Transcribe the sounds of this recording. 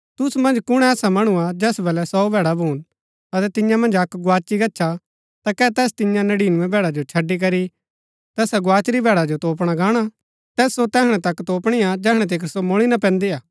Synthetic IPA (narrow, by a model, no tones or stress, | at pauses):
t̪ʊsumɐ̃nd͡ʒkʊɽ̃ɛɛːsamɐɽ̃uad͡ʒɛːsbɐlɛsɔːubʱɛːɽabʱuːn | ɐt̪ɛt̪ɪjãmɐ̃nd͡ʒɐkɡʊaːt͡ʃiɡɐːʃʰa | t̪akɛːt̪ɛːst̪ɪjãnɐɽiːnũɛ̃bʱɛːɽad͡ʒot͡ʃʰɐɖːik̬ɐɾi | t̪ɛːsaɡʊaːt͡ʃɾibʱɛːɽad͡ʒot̪oːp̬ɽ̃aɡaːɽ̃a | t̪ɛːsːot̪ɛːɦɽ̃ɛ̃t̪ɐkt̪oːpɽ̃ijad͡ʒɛːɽ̃ɛ̃t̪̬eːkʰɾsomʊɭ̃inapɛ̃ːnd̪eaː